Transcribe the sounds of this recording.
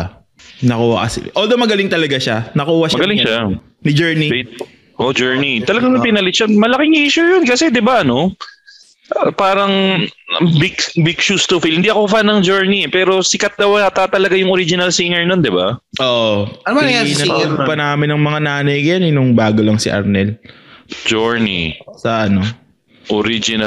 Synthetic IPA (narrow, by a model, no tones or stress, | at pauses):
nɐkuːhɐ̰ʔɐsɪ̰ʔold̪ɐmɐɡɐlɪŋt̪ɐlɐɡaʃanɐkuːhɐʃmɐɡɐlɪŋʃa | nɪd͡ʒɛɹnife | ʔod͡ʒɛɹnit̪ɐlɐɡaŋnɐpɪnɐlɪt͡ʃɐnmɐlɐkɪŋʔiːʃujonkɐsɛd̪ɪbaʔɐno̞ | ʔpaːɾɐŋ | bikbɪk̚ʃust̪ʊfilhɪnd̪iʔɐko̞fanːɐŋd͡ʒoɹniɛpɛːɾo̞sɪkɐt̪̚d̪ɐwat̪at̪ɐlɐɡajʊŋʔoɾid͡ʒɪnɐlsiŋɛɹnond̪ɪba̰ʔoːʔɐanɐɡ̚pɐnaːmɪnːɐŋmɐŋanaːnɐjɡjanɪnʊŋbaːɡolɐŋsɪʔɐ̰ɾnɛl | d͡ʒoɹnḭsɐʔɐno | ʔoɾid͡ʒɪnɐ